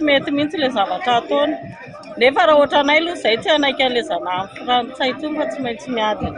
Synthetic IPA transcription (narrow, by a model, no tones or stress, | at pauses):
t͡simet̪imint͡silezavaʈ͡ʂat̪oni̥ | nefaɾaoʈ͡ʂanajluz̥ajt̪ianajkʲanlezananfuraːnt͡sajt̪umfat͡simajnt͡simiad̪in